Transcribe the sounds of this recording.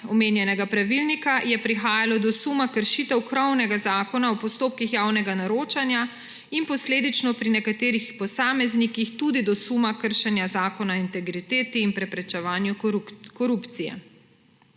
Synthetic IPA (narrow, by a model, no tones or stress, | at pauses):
ɔmeːnjɛnɛɡapɾaʋilnikajɛpɾixaːjalɔd̪ɔsumakəɾʃiːt̪ɛwkɾɔwnɛɡazaːkɔnaɔpɔst̪oːp̚kixjaːwnɛɡanaɾoːt͡ʃanja | impɔsleːd̪it͡ʃnɔpɾinɛkat̪eːɾixpɔsaːmɛznikixt̪ud̪id̪ɔsumakəɾʃɛnjazaːkɔnaint̪ɛɡɾit̪eːt̪iːnpɾɛpɾɛt͡ʃɛʋaːnjukɔɾupt̪sijɛ̰